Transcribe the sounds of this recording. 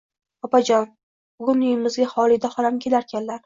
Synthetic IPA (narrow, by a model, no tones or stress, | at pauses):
ɒpad͡ʒɒn | b̥ʊɡʊnʊjɪmɪzɡʲahɒlˠɪd̪aχɒɾamkʲʰelaɾkʲanlaɾ